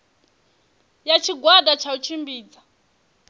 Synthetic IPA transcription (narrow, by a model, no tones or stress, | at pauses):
jat͡ʃʰiɡwadat͡ʃʰaut͡ʃʰimbiːd͡za